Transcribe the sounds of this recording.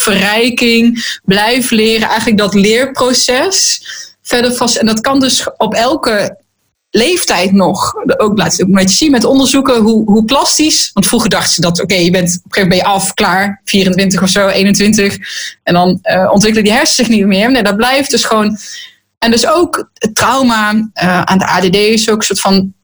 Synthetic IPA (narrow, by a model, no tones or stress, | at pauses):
fərɛjkɪŋblɛjfəlɪːrəʔɛjχənlək̚dɑtlɪːɹprosɛsfɛdəɹfɔsɛndɑtkɑndøsɔpɛlˠkə | lejftɛjtnɔχok̚bla̰ːtəokmeə̥sinmɛtɔndəɹzukəɦuɦuklɑstisʋɑntfruχəɹdɑχtəz̥ədɑtokejjəbɛntɔpeːən̚bɛjəʔɑfklaːɹfiːrəntʋɪntəχɔfsowʔejnəntʋɪntəχɛndɑnəɔ̰ntʋɪkələdiɦɛɹszɪxniəmɪːɹnedɔɹblɛjfdɵsχəʋown | ɛndøsowkətrɑwmaəʔa̰ːndəʔaːdedejɪsoːkən̩sʊːɹtfɑn